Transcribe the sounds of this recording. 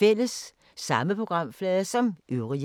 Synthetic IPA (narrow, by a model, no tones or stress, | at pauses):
el̰əsː | ɑ̈məpʰʁo̝ɡ̥ʁɑ̈m̰flɛːðˠɐsɒ̽mʔøʊʁi